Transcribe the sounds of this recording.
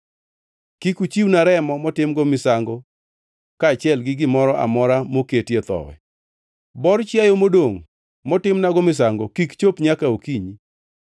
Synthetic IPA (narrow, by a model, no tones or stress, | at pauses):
kikut͡ʃiwnaɾɛmɔmɔtɪmɡɔmɪsaŋɡo | kaːt͡ʃjɛlɡɪɡɪmɔɾɔʔa̰mɔɾamoketjet̪ɔ̰wɛ̰ | bɔrt͡ʃjajomodoŋ | mɔtɪmnaɡɔmɪs̬aŋɡokikt͡ʃopɲakaokiɲi